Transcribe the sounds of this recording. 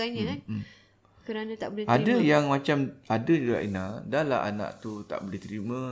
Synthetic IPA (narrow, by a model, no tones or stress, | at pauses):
aɲə̃kanm | kəɾanãt̪aʔbəleadajaŋmãt͡ʃamadad͡ʒuɡa̰ʔinadala̰ɦa̰nã̰ʔt̪ut̪a̰ʔboleht̪əɾimã